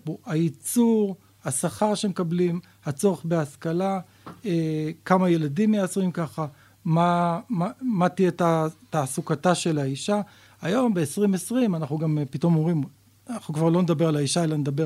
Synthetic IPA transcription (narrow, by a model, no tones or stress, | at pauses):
boait͡suʁ | hasaχaʁʃemekablim | hat͡so̞ʁeχbeaskala | ekamaje̞ladimjeasoʁimkaχa | mamamat̪ijetat̪aːsukataʃe̞laiʃa | ajo̞mbe̞ːsʁimesʁimanaχnuɡampit̪o̞moʁim | naχnukvaʁlo̞ned̪abe̞ʁalaiʃaelaned̪abe